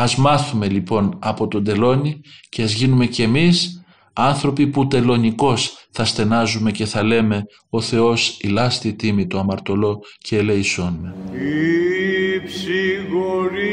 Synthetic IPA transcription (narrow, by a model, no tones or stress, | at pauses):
ɐzmɐθume̞lipo̞nɐpo̞t̪o̞nd̪e̞lo̞nice̞ɐzʝinume̞cemis | ɐnθɾo̞piput̪e̞lo̞niko̞sθɐst̪e̞nɐzume̞ce̞θɐle̞me̞ | o̞θe̞o̞silɐst̪it̪imit̪oɐmɐɾt̪o̞lo̞ceːleiso̞nmei | psiɣoɾi